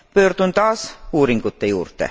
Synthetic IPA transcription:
pø̞ːrd̪̥unt̪ɑːsuːɾiŋɡ̥ut̪ːejṵːrt̪ḛ

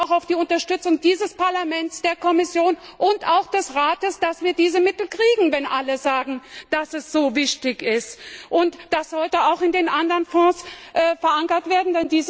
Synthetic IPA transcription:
ʊxaʊfd̥iːʊntɐʃtʏt͡sʊŋdiːzəspaɐlamɛntt͡sd̥eːɐkʰɔmɪsjoːnʔʊntaʊxd̥ɛsʁaːtəsd̥asv̥iːɐdiːzəmɪtl̩kʁ̥iːɡŋ̩vɛnʔaləzaːɡŋ̩d̥asɛsz̥oːvɪçtɪçɪstʔʊntd̥asz̥ɔltəaʊxɪndeːnʔandɐʁnfɔ̃ːsʔɛːfɛɐʔaŋkɐtv̥eːɐdn̩dɛndiːz

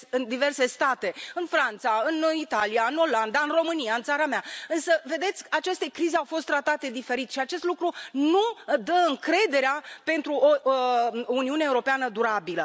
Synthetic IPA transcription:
ɨnd̪ive̞rse̞st̪at̪e̞ɨnfɾant̪saɨnit̪alijaɨno̞land̪aɨnro̞mɨnijaɨnt̪saɾameaɨnsəve̞d̪e̞t̪sʲat͡ʃe̞st̪e̞kɾizeawfo̞st̪ːɾat̪at̪e̞d̪ife̞ɾit̪ʃiat͡ʃe̞st̪lukɾunud̪əɨŋkɾe̞d̪e̞ɾeape̞nt̪ɾuʔo | uniuneuɾo̞peanəd̪uɾabilə

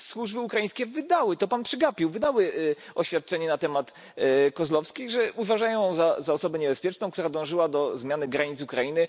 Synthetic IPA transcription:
swuʐbɘukɾajĩj̃skʲɛvɘd̪awɘt̪ɔpanpʂɘɡapʲiwvɘd̪awɘɔɕfʲjat̪̚t͡ʂɛɲɛnat̪ɛmat̪ | kɔzlɔfskʲiɣʐɛuvaʐajɔ̃w̃jɔ̃zazaɔsɔbɛɲɛbɛspʲjɛt͡ʂnɔ̃w̃kt̪uɾad̪ɔ̃w̃ʐɘwad̪ɔzmʲjanɘɡɾaɲit̪sukɾajinɘ

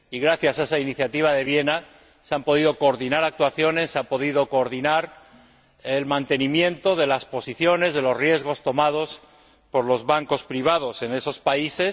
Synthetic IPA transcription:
iɣɾaθjasaesainiθjat̪iβ̞aðe̞βje̞na | seampo̞ðiðo̞ko̞ːɾðinaɾak̚t̪waθjo̞ne̞sːeampo̞ðiðo̞ko̞ːɾðinaɾ | elmãnt̪e̞nĩmjẽ̞nt̪o̞ðe̞laspo̞siθjo̞ne̞zðe̞lo̞zrje̞zɣ̞o̞st̪o̞mað̞o̞s | po̞ɾlo̞zβaŋko̞spɾiβ̞að̞o̞sene̞so̞spaise̞s

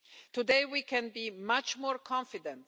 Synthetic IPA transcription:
t̪udeɪwikʰɛ̃nbimʌt͡ʃmɔːɹkʰɑ̃nfɪdɛ̃nt

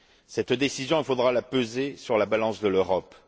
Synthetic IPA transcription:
sɛt̪d̪esizjɔ̃ifod̪ʁalapøzesyʁlabalɑ̃sd̪əløʁɔp

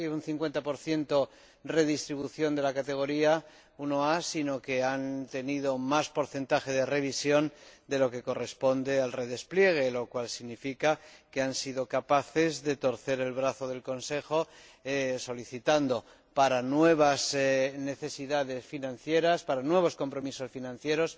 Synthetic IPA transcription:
unθiŋkwe̞nt̪apo̞ɾθje̞nt̪o̞ | re̞ðist̪ɾiβuθjo̞nd̪e̞lakat̪e̞ɣ̞o̞ɾia | unoasino̞ke̞ant̪e̞niðo̞maspo̞ɾθe̞nt̪axe̞ðe̞re̞β̞isjo̞nd̪e̞lo̞ke̞ko̞re̞spo̞nd̪e̞alre̞ðe̞splje̞ɣ̞e̞lo̞kwalsiɣnifikake̞ansiðo̞kapaθe̞zðe̞t̪o̞ɾθe̞ɾe̞lβɾaθo̞ðe̞lko̞nse̞xo̞ | eso̞liθit̪and̪o̞ | paɾanwe̞β̞azne̞θe̞siðaðe̞sfinãnθje̞ɾaspaɾanwe̞β̞o̞sko̞mpɾo̞miso̞sfinãn̟θje̞ɾo̞s

